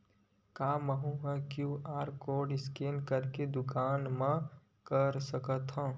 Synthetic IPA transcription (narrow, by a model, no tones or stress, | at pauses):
kaːməɦũɦɛ̃kjuaːɾkoːɾɖɪskeːnkəɾked̪ʊkaːnmã | kəɾsəkət̪ɦõː